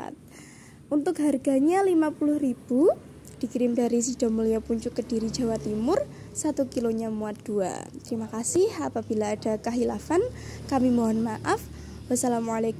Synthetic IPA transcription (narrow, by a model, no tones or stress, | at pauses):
t̪̚ | ʔunt̪ʊkɦarɡa̤ɲalimapulʊhrib̥u | d̥i̤kiɾɪmdaɾis̬id̥a̤muliapuɲt͡ʃʊkːəd̥iɾid͡ʒa̤wat̪imʊr | sat̪ukiloɲamuat̪̚d̥ua̰t̪əɾimakasɪhapab̥ilaːd̥a̤kəɦilafankamimoɦanmaʔaf | wasalamualek